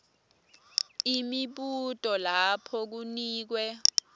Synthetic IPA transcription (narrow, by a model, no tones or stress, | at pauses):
imiɓutʼɔlapʰɔk̬uniːk̬wɛ